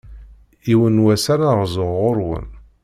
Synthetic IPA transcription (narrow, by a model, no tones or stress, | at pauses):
iwənwæsaɾaʁzəʁːʊɾwə̰n